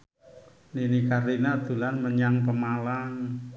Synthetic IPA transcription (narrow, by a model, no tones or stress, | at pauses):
ninikaɾinad̪̥ulanməɲaŋpəmalaŋ